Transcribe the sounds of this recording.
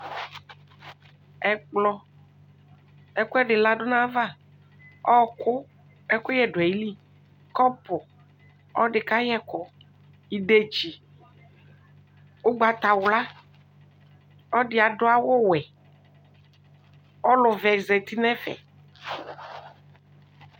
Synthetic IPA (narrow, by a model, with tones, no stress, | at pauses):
ɛ˦k͡plɔ˦ | ɛ˦kʊ˦ɛ˦ɖɪ˨la˦ɖʊ˦nã˦va˦˨ | ɔ˦kʊ˦ | ɛ˦kʊ˦jɛ˦ɖʊ˨ɛ˨ji˦li˦ | kɔ˦pʊ˨ | ɔ˦ɖɪ˨ka˦jɛ˦kɔ˨ | i˨ɖe˨d͡ʒi˨ | wo˦ɡ͡ba˨t̪a˨wla˦ | ɔ˦ɖɪ˨a˨ɖʊ˦a˦wo˦wɛ˨ | ɔ˦lʊ˨vɛ˨zɛ˨t̪i˦nɛ̃˦fɛ̰˨